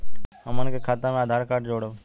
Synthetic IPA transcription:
əmənkʰeːkʰaːt̪ənaːd̪ʱaːɾkaːʈd͡ʒoːɽə

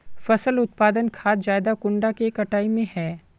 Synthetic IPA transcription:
fɐsəlʊt̪̚paːd̪ənkʰaːt̪d͡ʒaːɪd̪akʊ̃ɳɖakekɐʈaːimẽɦɛː

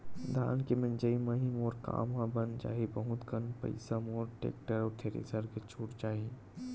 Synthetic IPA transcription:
d̪ʱa̰ːnkemɐnd͡ʒəimɐɦĩmoːɾka̰ːmɦãbənd͡ʒa̰ːɦibɐɦʊt̪kənpɐ̰ɪsamoːɾʈḛːk̚ʈəɾɔːɾt̪ʰeːɾḭsəɾket͡ʃʰuːʈd͡ʒaːɦi

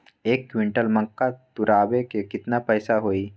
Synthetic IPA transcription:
ekːʋiɳʈəlməŋkat̪uɾʔaʋekekit̪napəjsaɦoi

